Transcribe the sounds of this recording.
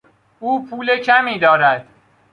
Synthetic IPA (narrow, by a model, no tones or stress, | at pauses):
uːpʰuːlecʰæmiːd̪ɒːɾæd̪̥